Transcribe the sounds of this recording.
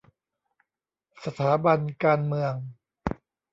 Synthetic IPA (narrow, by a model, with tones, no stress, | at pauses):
sa˧t̪ʰaː˩˦ba˧nkaː˧nmɯ˧əŋ